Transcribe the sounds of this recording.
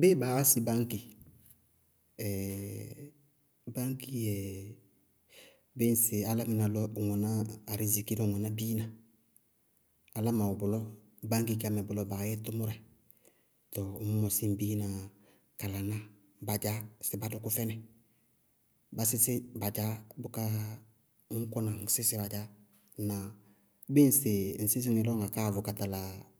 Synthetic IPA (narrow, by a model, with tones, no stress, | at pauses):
be˦ba˨wa˦si˨ba˦ŋki˨ | ɛ˨ | ba˦ŋki˦jɛ˨ | bɪ˦n˦sɪ˨a˨la˦mɪ˨na˨lɔ˦˨ŋɔ˨naː˦˨ɾi˦zi˨ki˦lɔ˦˨ŋɔ˨na˦biː˦na˨ | la˦ma˨ʊ˨bʊ˨lɔ˦ | ba˦ŋk̬i˦ka˨mɛ˨bʊ˨lɔ˨ba˨jɛ˦tʊ˦mʊ˦ɾɛ˨ | tɔ˨mʊ˦mɔ˨si˦m˨bi˦na˨ | ka˨la˨na˦ | ba˨d͡ʒa˦sɪ˨ba˦dʊ˦kʊ˦fɛ˦nɛ˨ | ba˦sɪ˦sɪ˦ba˨d͡ʒa˦bʊ˦ka˦ | ŋ˦kʊ˦na˨ŋ˨sɪ˦sɪ˨˦ba˨d͡ʒa˦ | na˨˦ | bɪ˦n̩˦˨sɪ˨n̩˨sɪ˦s̬ɪ˦ŋɪ˨lɔ˦ŋa˨ka˦˨vʊ˨ka˨ta˨la˨